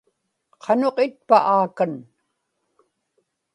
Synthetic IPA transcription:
qʰɑnoqɪt̪̚pa̰ʔaːkan

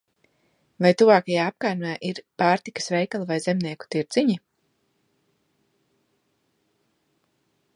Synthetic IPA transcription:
vajt̪uvaːkajaːap̚kaːjnaːʔiɾpaːɾt̪ikɐ̥svɛjkalˠuvajzemniɛku̥t̪iɾd̪z̥iɲi

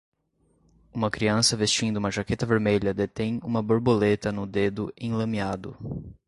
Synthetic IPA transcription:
ũmɐkɾiɐ̃sɐvest͡ʃĩnd̪ʊumɐʒaket̪ɐveɾmeʎɐd̪et̪ẽj̃ũmɐboɾbolet̪ɐnʊd̪ed̪ʊẽlɐ̃miad̪ʊ̰

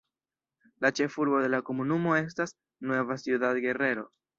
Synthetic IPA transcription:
lat͡ʃe̞fuɾbo̞de̞lako̞munumo̞e̞s̬tas | nwe̞vasjiudatɡe̞re̞ɾo̞

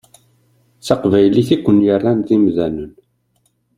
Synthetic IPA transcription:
θaqvæjliθikʷːənjarˤːanðimðænən

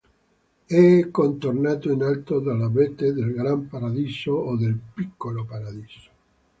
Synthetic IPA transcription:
ɛkːont̪oɾnaːt̪oinalt̪oðalabet̪ed̪elɡɾampaɾad̪isoːd̪elpikːolopaɾad̪iso̥

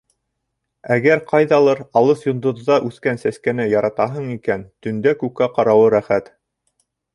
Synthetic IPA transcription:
æɡæɾqʰɑjðɑlˠɤɾɑlˠɤsjŏnd̪ŏðːɑʔʉθkænsæskænɘjɑɾɑt̪ɑɦɤɴikænt̪ɵ̆nd̪ækʉkːæqɑɾɑwɤɾæχæt̪

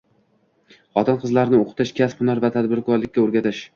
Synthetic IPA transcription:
χɒt̪ʰanqʰɨzlaɾnɪoqʰɨ̥t̪ʰɪʃkʲʰashʊnaɾvat̪ʰad̪bɪɾkʰɒɾlɪk̚ʲːaoɾɡʲat̪ɪʃ

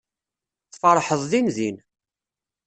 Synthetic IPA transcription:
θfɑɾˤħəðˤðinðin

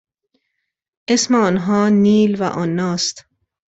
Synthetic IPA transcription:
ʔesmeɒːnɦɒːniːlvæ̰ʔɒnːɒːst̪

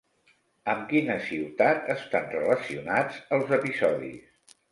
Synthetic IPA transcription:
əmkinəsiwt̪at̪əst̪anrələsiunad͡zəlˠzəpizɔðḭs

